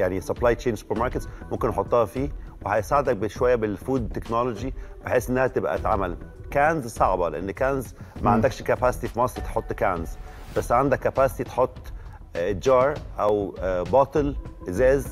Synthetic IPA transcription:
jaʕnisɑblaːjt͡ʃeːnsu̥peɾmɑɾˤket̪zmomkenːħot̪ˤːɑːhɑfiːwehæjsaːʕed̪æk̚beʃowæjːæbelfuːd̪t̪ːeknɑlod͡ʒibeħeːsʔenːæhæt̪ebʔæ̰t̪ʕa̰mælkæːnzsˤɑʕbɑlḛʔḛnːkænzmæʕand̪ækʃkæpæse̥t̪ifimɑsˤɾit̪ħot̪ˤːkænz | b̥æsːʕand̪ækːæpæːse̥t̪it̪e̥ħot̪ˤː | d͡ʒɑːɾˤʔæwbɑːt̪ˤɨlzæːz

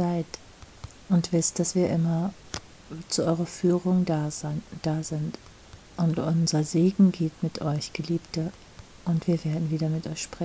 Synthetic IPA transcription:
zaɪt | ʔʊntv̥ɪstd̥asv̥iːɐʔɪmɐ | t͡suʔɔʏʁɐfyːʁʊŋ | d̥aːzɪnt | ʔʊntʔʊnzɐzeːɡŋ̩ɡeːtmɪtʰʔɔʏçɡ̥əliːptə | ʔʊntv̥iːɐveːɐdn̩viːdɐmɪtʔɔʏçʃpʁ̥ɛ

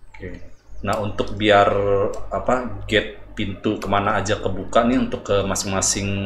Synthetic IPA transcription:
okenaɦunt̪ʊk̚biarapaɡɛt̪̚pint̪ukəmanaːd͡ʒakəbukanɪunt̪ʊkːəmasɪŋmasɪŋ

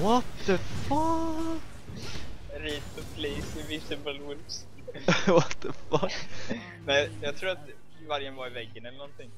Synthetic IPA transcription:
wɔt̪ðəfʌk | ɾit̪ʊpʰleːsɪvɪsɪbəlwʊlps | wɔt̪ðəfʌk | nɛjɑːɡ̚t̪ʰɾuːɾat̪ | vaɾjənvaɾɪvɛɡːənɛlːənɔnt̪ɪŋ

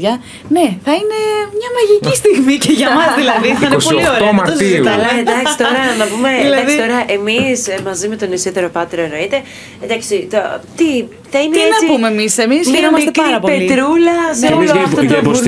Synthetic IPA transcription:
ʝɐ | neθɐine̞mɲɐmɐʝicist̪iɣmiceʝɐmɐzðilɐðiθɐinepolioɾemɐoiɐlɐend̪ɐkssi̥t̪oɾɐnɐpumelɐðsit̪o̞ɾɐʔe̞mismɐzimet̪o̞nisit̪eɾo̞pɐt̪eɾoenoit̪e̞ | end̪ɐksit̪ot̪i | θɐineienɐsipumemise̞misçeɾomɐst̪epɐɾɐppo̞plelit̪ɾulɐseɐft̪ot̪

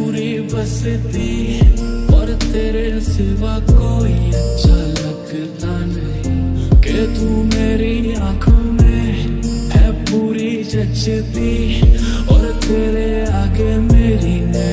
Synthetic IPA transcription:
uːɾi | bɐset̪i | ɔːɾt̪eːɾeseʋakoːiɐtːʃʰalɐɡ | t̪anɐɦiket̪umeːɾiãːkʰəme | ɦɛpuːɾi | d͡ʒɐt͡ʃet̪i | ɔːɾt̪eːɾe | aːɡemeːɾine

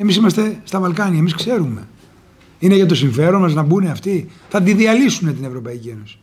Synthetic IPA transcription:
e̞misimɐst̪e̞st̪ɐvɐlkɐniɐemiskse̞ɾume̞ | ineʝɐt̪o̞siɱfe̞ɾo̞nmɐznɐbune̞ɐft̪iθɐd̪iðiɐlisune̞t̪ine̞vɾo̞pɐicie̞no̞si̥

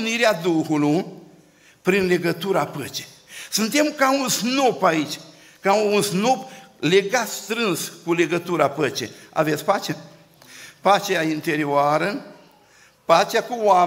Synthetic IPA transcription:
niɾead̪uhuluj | pɾinle̞ɡət̪uɾapət͡ʃe | sɨnt̪e̞mkaunsno̞pait͡ʃʲ | kaunsno̞ple̞ɡat̪st̪ɾɨnskule̞ɡət̪uɾapət͡ʃḛa̰ve̞t̪sʲpat͡ʃa | pat͡ʃeaint̪e̞ɾioaɾə | pat͡ʃeakuwa

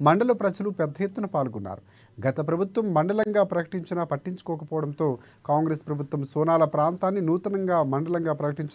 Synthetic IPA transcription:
mɐɳɖɐlɐpɾɐd͡ʒɐlupɛd̪ːɐjet̪ːunɐpaːlɡunːa̰ːɾu | ɡɐt̪ɐpɾɐbʱut̪ʋɐmːɐɳɖɐlɐŋɡaːpɾɐkɐ̥ʈiɲt͡ʃinapɐʈːiɲt͡ʃu̥kɔːkɐpɔːʋɐɽɐnt̪o̞ː | kaːŋɡɾespɾɐbʱut̪ʋɐmsɔːnaːlɐpɾaːnt̪aːnːinuːt̪ɐnɐŋɡaːmɐɳɖɐlɐŋɡaːpɾɐkɐʈiɲt͡ʃ

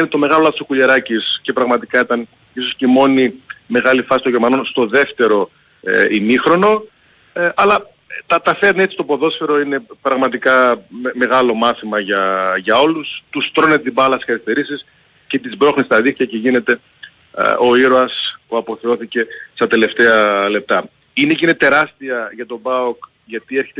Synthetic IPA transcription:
inet̪o̞me̞ɣɐlo̞lɐθosokuʎeɾɐcisce̞pɾɐɣmɐt̪ikɐit̪ɐn | iso̞sceimo̞nime̞ɣɐlifɐsit̪õʝemɐno̞nst̪o̞ðeft̪e̞ɾo̞̰ | inixɾo̞no̞ | ʔɐlɐ | t̪ɐt̪ɐfeɾne̞t͡sist̪opo̞ðo̞sfe̞ɾo̞ine̞pɾɐɣmɐt̪ikɐme̞ɣɐlo̞mɐθimɐʝɐʝɐo̞lust̪ust̪ɾo̞net̪ibɐlɐsi̥sxɐɾist̪e̞ɾisis | ce̞t̪izbɾo̞xnist̪ɐðikt̪iɐce̞ʝine̞t̪e̞̰ | o̞iɾo̞ɐspuɐpo̞θeo̞θice̞st̪ɐt̪e̞le̞ft̪e̞ɐle̞p̚t̪ɐ | ine̞ceinet̪e̞ɾɐst̪iɐʝɐt̪o̞bɐok | ʝɐt̪ie̞ɾçet̪

